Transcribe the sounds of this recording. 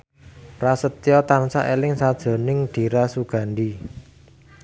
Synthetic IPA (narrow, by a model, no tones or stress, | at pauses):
rasət̪ijɔt̪ansa̰ʔelɪŋsad̥ʒ̥ɔ̤nɪŋɖ̪̥i̤ɾasuɡ̥a̤nɖi